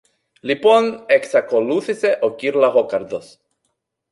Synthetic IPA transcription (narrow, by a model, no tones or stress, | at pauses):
liponeksakoluθiseʔokiɾlahokaɾd̪os